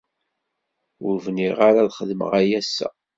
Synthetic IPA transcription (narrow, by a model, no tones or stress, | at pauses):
ʊɾvniʁaɾaðχəðəmə̰ʁæjæsːæ̰